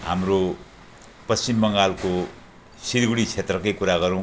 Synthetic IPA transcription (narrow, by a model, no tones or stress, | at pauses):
ɦa̰mro | pʌst͡ʃimbʌŋɡalko | siɾɡuɽit͡sʰet̪rʌkʌjkuɾaɡʌɾũw̃